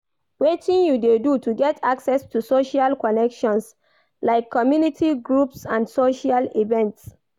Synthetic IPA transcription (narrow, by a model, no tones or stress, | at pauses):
wetĩnjudedutuɡɛtʰaksɛstusoʃalkɔnɛkʃɔ̃ns | laɪkʰːɔmjunitʰiɡɹupsãnsoʃalivɛ̃nts